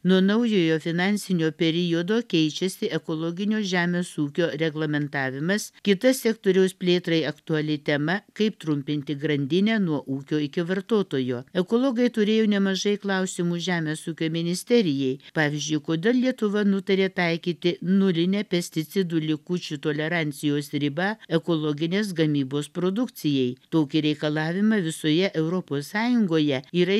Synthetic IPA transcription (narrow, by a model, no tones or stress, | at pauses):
nuɔnɐʊjoːjoːfʲɪnɑnʲsʲɪnʲoːpʲɛɾʲɪjoːd̪oːkʲɛɪt͡ʃʲɛsʲɪʔɛkoːlˠoːɡʲɪnʲoːʒʲæːmʲeːsuːkʲoːɾʲɛɡlˠɐmʲɛnt̪ɑːʋʲɪmɐskʲɪt̪ɐsʲɛkt̪oːɾʲɛʊspʲlʲeːt̪ɾɐɪɐkt̪uɐlʲɪt̪ʲɛmɐkɐɪpt̪ɾʊmʲpʲɪnʲt̪ʲɪɡɾɐnʲd̪ʲɪnʲɛːnuɔʔuːkʲoːɪkʲɪʋɐɾt̪oːt̪oːjoːɛkoːlˠoːɡɐɪt̪ʊɾʲeːjoːnʲɛmɐʒɐɪklˠɐʊsʲɪmuːʒʲæːmʲeːsuːkʲoːmʲɪnʲɪsʲt̪ʲɛɾʲɪjɛɪpɑːʋʲɪzʲd͡ʒʲʊɪkoːd̪ʲɛlˠlʲiɛt̪ʊʋɐnʊt̪ɐɾʲeːt̪ɐɪkʲiːt̪ʲɪnʊlʲɪnʲɛpʲɛsʲt̪ʲɪt̪sʲɪd̪ʊlʲɪkʊt͡ʃʲut̪oːlʲɛɾɑnʲt̪sʲɪjoːsɾʲɪbɑːɛkoːlˠoːɡʲɪnʲeːsɡɐmʲiːboːspɾoːd̪ʊkt̪sʲɪjɛɪt̪oːkʲɪɾʲɛɪkɐlˠɑːʋʲɪmɑʋʲɪsoːjɛʔɛʊɾopoːssɑːjʊŋɡoːjɛiːɾɐ